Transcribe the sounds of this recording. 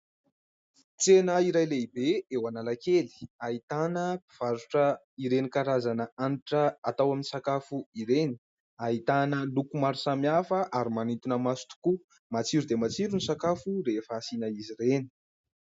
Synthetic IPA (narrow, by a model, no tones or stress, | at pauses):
t͡senəiɾajleibeewanalakeli̥ait̪anəpi̥v̥aɾuʈ͡ʂə | iɾenikaɾazanəaniʈ͡ʂəat̪awaminisakafuiɾeni̥ | ait̪anəlukumaɾusamiafəʔaɾimanint̪unəmasu̥t̪u̥ku | mat͡siɾud̪emat͡siɾunisakafuɾefəːsinəiziɾeni̥